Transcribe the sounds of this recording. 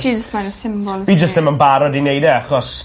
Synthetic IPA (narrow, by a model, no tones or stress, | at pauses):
id͡ʒəstmaɾəsɪmbɔlˠbiːd͡ʒəstðɪmənbaɾɔdinejdɛaχɔs